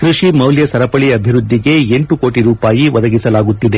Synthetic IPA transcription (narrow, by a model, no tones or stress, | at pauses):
kɾiʂimɐwljɐsɐɾɐpɐɭiɐbʱiɾud̪ʱːiɡe̞eɳʈuko̞ːʈiɾuːpaːjiʋɐd̪ɐɡisɐlaːɡut̪ːid̪e̞